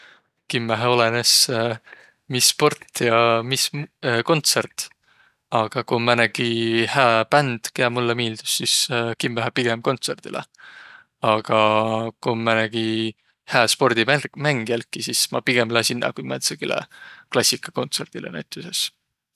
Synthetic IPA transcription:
kimːæɦeo̞lenes | misːpo̞rt̪ːjɑmisko̞nt̪sert̪ | ɑɡ̥ɑkumːænæɡ̥ihæːpænd̪̥keæmulːemiːld̪̥u̥sːiskimːæɦepiɡ̥emko̞nt̪se̞rd̪̥ilḛ | ɑɡ̥ɑkumːænæɡ̥i | hæːspo̞rd̪imæmæŋɡ̥iælkːˑisismɑpiɡ̥emlæsʲinːɑ̰kujmet̪sekilḛklɑsʲikːˑɑ̥ko̞nt̪se̞rd̪̥ilenæjt̪ːˑuses

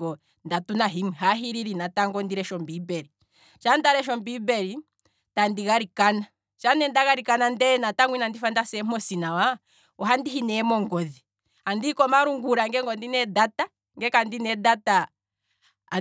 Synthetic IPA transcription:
ɔ | ndatunaɦimiɦaɦiɾiɾinataŋɡɔndiɾɛʃɔmbibɛɾi | t͡ʃandaɾɛʃ̬ɔmbibɛɾi | tandiɣaɾikana | t͡ʃanɛndaɣaɾikanandɛnataŋwinandifandasɛmɔsinawa | ɔɦandiɦinɛmɔŋɡɔði | andikɔmaɾuŋɡuɾaŋɡɛŋɡɔndinɛdata | ŋɡɛkandinɛdata

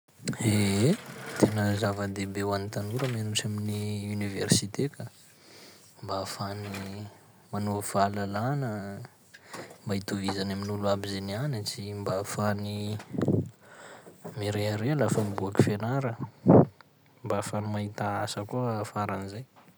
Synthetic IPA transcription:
eet̪ʰenəzavəd̪ebewanit̪anuɾəmenut͡saminiuniversit̪eka | mbafani | manuv̥alalanə | mbait̪uvizanaminuluabizenianət͡simbafani | miɾeaɾealafəmbuaki̥fenaɾə | mbafanimaɦit̪aasəkuəfaɾanizaj

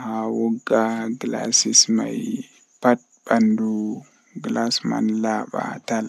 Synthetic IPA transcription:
hawɔɡːaɡla̰sisma̰j | pɐt̚bɐndu | ɡlasma̰nlaːɓa̰t̪al

